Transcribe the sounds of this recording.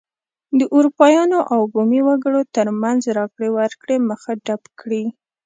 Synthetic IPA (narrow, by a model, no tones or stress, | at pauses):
d̪əʔuɾupɑjɑnoʔawbomiwaɡəɽot̪əɾmanzɾɑkɽewəɾkɽeməxaɖapkɽi